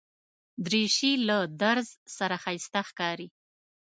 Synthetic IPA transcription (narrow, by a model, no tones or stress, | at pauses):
d̪ɾeʃilad̪aɾzsaɾaxajst̪axkɑɾi